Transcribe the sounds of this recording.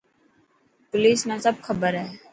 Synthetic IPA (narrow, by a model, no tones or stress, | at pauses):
pʊliːsnãːsəb̚kʰəbəɾɦɛː